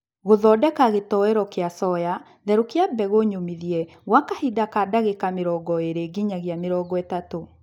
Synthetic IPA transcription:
ɣoðɔdɛkaɣetɔɛɾɔkeasɔja | ðɛɾokeabɛɣoɲomiðiɛ | ɣwakahidakadaɣekameɾɔɡɔeɾeɡiɲaɣjameɾɔɡɔɛtato

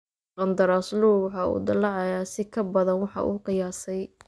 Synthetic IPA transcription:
qɑnd̪ɐɾaːsluːwɑħɑṵːd̪ɐlɑʕɑjaːsɪkʰɐbɐðɐnwɑħɑ̰ʔṵːqɪjaːsɛj

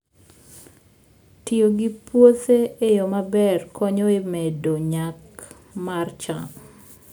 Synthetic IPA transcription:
tioɡipwoteejomabɛrkʰɔɲoemedoɲak | mart͡ʃa

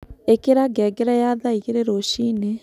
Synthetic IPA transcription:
ekeɾaɡɛɡeɾajaðaiɣeɾeɾoʃiːne

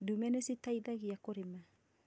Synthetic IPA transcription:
dumɛnesitajdaɡiakoɾema

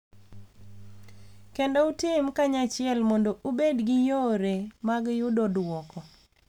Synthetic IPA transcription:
kendɔutɪmkaɲat͡ʃɪɛlmɔndoʔubedɡɪjoɾemaɡjʊdodwɔkɔ

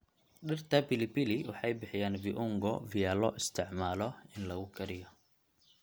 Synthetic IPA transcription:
ɗɪrt̪ʰɐpɪlɪpiliwɑħɑjbɪħɪjaːnbɪʔʊŋɡɔ̰vɪjaːlɔ̰ʔɪst̪ʰɪʕmaːlɔɪnlɐɣʊkʰɐɾɪjɔ

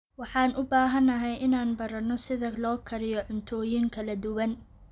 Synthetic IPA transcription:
wɑħɑːnʔʊbaːɦɐnɐɦɛjʔɪnaːnbɐɾɐnɔsɪðɐlɔːkʰɐɾɪjɔʕʊnt̪ʰɔːjɪŋkʰɐlɐd̪ʊwɐn

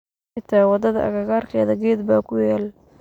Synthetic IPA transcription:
ɪt̪ʰaːwɑd̪ɐðɐ̰ʔɐ̰ɣɐɣɐrkʰɛːðɐɡɛːd̪baːkʰʊjaːl

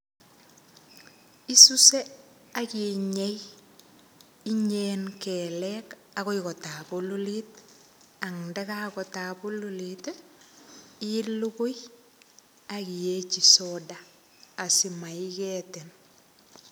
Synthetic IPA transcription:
isuse | akiɲej | iɲeːnkelek | aɡoikotabolulit | aŋdekaɡotabululit | iluɡuj | aɡijet͡ʃisodaː | simaiɡeːten

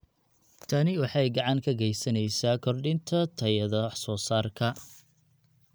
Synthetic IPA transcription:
t̪ʰɐnɪwɑħɑjɡɑʕɑŋkʰɐɡɛjsɐnɛjsaːkʰɔrɖɪnt̪ʰɐt̪ʰɐjɐðɐsɔːsaːrkʰɐ

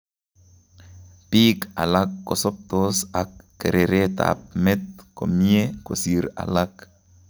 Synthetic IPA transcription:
pika̰lakːosɔp̚t̪osakːeɾʔeɾet̪a̰p̚mɛt̪̚komiekosiɾa̰lak

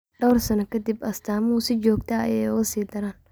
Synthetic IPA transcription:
ɖɐwrsɐnɐkʰɐd̪ɪbɐst̪ʰaːmuːsɪt͡ʃɔːɡt̪ʰɐjɛjʊɣɐsiːd̪ɐɾaːn

